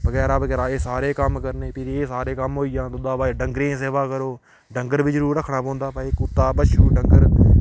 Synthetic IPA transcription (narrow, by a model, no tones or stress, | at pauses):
bəɡɛːɾaːbəɡːɾaːeːsaːɾeːkəmkəɾneːpʰɪɾeːsaːɾeːkəmɦoːijãːt̪ʊd̪ãːbaːɖəŋɡɾẽːseːʋaːkəɾoː | ɖəŋɡəɾbiːd͡ʒəɾuːɾəkʰːɳaːpõːnd̪aːpaikʊt̪ːaːbəʃuːɖəŋɡəɾ